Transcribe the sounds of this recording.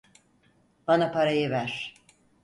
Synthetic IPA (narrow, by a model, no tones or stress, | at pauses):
b̥anapʰaɾajɯvæɾ̥